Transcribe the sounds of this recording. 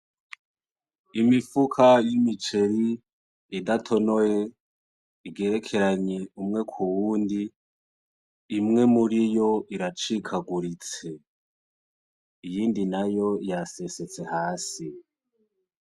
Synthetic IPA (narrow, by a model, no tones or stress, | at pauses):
imifukʰajimit͡ʃe̞ɾi | idatʰo̞no̞je | iɡe̞ɾe̞kʰe̞ɾaɲe̞umŋe̞kʰuwuːndi | mŋe̞muɾijo̞ʔiɾat͡ʃikʰaɡuɾit͡se̞ | ijiːndinajo̞jasese̞t͡se̞haːsi